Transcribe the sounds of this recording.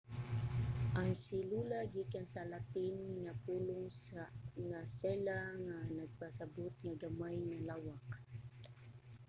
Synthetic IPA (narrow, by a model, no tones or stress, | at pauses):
ʔaŋsɪlulaɡikansalat̪ɪnŋapuːlʊŋsŋasɛlaŋanaɡ̚pasabot̪̚ŋaɡamajnalawak̚